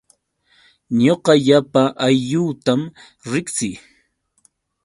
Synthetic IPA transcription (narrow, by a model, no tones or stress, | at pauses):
ɲoqɑʎapaʔajʎuːt̪am | ɾɪksɪj